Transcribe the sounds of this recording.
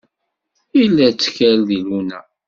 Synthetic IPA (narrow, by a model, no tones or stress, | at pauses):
ilːæt͡sːkælðilunæ̰